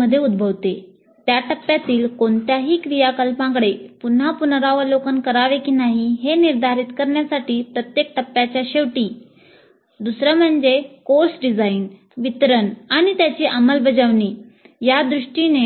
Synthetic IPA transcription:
əd̪ʱːjeud̪̚bʱəʋt̪e | t̪jaʈəpːjat̪iːlkoɳt̪jaɦiːkɾijakəlpãŋɡɭepun̤apunɾaʋəlokənkəɾaʋekiːnaɦiɦeniɾd̪ʱaɾit̪kəɾɳjasaʈiːpɾət̪jek̚ʈəpːjat͡ɕjaɕeʋʈiː | d̪usɾəm̤əɳd͡zekoɾsɖid͡zain | ʋit̪ɾənaɽ̃it̪jat͡ɕiːʔəməlbəd͡zəʋni | jad̪ɾuʂʈine

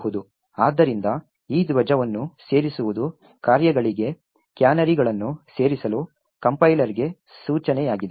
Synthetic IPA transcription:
ɦud̪u | aːd̪ːɐɾind̪ɐ | iːd̪ʋɐd͡ʒɐʋɐnːuse̞ːɾisuʋud̪u | kaːɾjɐɡɐɭiɡe̞ | kjaːnɐɾiɡɐɭɐnːuse̞ːɾisɐluː | kɐmpɐjlɐɾiɡe̞ | suːt͡ʃɐnɛjaːɡid̪e

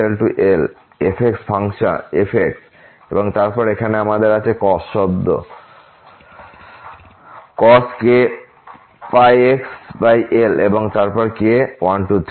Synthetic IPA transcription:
elʈuʔel | efʰeksfʰaŋʃa̰efʰek̚s | eboŋt̪aɾpɔɾekʰaneamad̪eɾat͡ɕʰekɔsʃɔbd̪o̰ | kɔske | pajeksbajʔeleboŋt̪aɾpɔɾkewanʈut̪

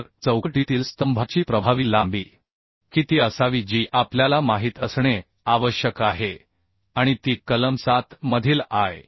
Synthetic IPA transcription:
ɾt͡səwkʈit̪iːlst̪əmbʱat͡ɕiːpɾəbʱaʋilambiː | kiːt̪iːəsaʋid͡ʑiːʔapljalamaɦiːt̪əsɳe | aʋəɕjəkaɦe | aɽ̃it̪iːkələmsat̪məd̪ʱiːlaj

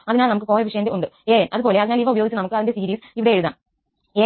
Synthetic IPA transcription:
ɐðinaːlnɐmukːɨko̞ːlɐʋiʂɐjɐndeuɳɖɨeːnʔɐðɨbo̞ːle̞ɐðinaːliʋɐubɐjoːɡit͡ɕːɨnɐmukːɨɐðindesiːɾiːsiʋiɽeeɻuða̰ːn | e

